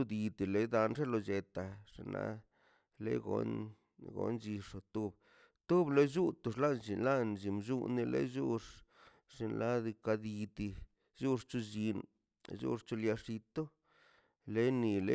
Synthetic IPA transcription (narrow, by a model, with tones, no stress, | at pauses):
u˦d̪i˧t̪i˨le˨d̪a˧nʐe˦lo˧d͡ʒe˧t̪a˨ʂi˨na̰˧˦ | lḛ˦ɡo̰˨˦n | ɡo̰˨˦nd͡ʒi˧ʂo˨t̪u˦b | t̪u˦blo˦d͡ʒu˦t̪u˨˧ʂla˦nt͡ʃi˨nla˦nd͡ʒi˨md͡ʒu˦ni˧lḛ˦ʒu˦ʂ | ʂi˧nla˦d̪i˧ka˧d̪i˧t̪i˧ | ʒu˦ʂt͡ʃu˧d͡ʒi˧n | ʒṵ˦ʂt͡ʃu˧lja˧ʂi˧t̪o˦ | le˦ni˨lḛ˦